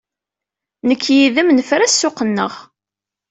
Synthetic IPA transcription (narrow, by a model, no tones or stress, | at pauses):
nəkʰːjiðəmnəfɾæsːʊqənːə̰ʁ